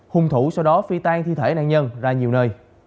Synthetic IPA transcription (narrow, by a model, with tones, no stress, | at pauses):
hʊ˨˧˩ŋ͡mt̪ʰu˧˩sa˧wɗɔ˨˦fi˧t̪aː˧ŋt̪ʰḭ˧t̪ʰe˧˩˦na̰ː˧˨nɲə˧nzaː˧ɲi˨˩əwnəː˧j